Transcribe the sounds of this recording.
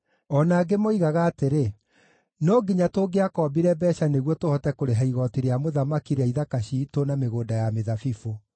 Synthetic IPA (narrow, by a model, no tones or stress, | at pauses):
ɔnaːɡemoiɣaɣaːteɾe | nɔɡiɲatoːɡeakɔːbiɾɛbɛʃaneɣwɔtohɔtɛkoɾeɦaiɣɔtiɾeamoðamakiɾaiðakaɕitonameɣoːndajameðafifo